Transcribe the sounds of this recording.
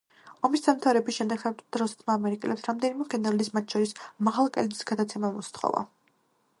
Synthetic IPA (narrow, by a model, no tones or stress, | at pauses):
ɔmisd̪amt̪ʰavɾɛbisʃɛmd̪ɛɡad̪̥ɾɔsɛ̥t̪ʰmaːmɛɾikʼɛlɛpsɾamd̪ɛnimɛɡɛnɛɾad̪ismat̪ʰʃɔɾismaʁalˠkʼɛ̰ld̪ʼisɡad̪at̪sʰɛmamust̪χɔ̰va̰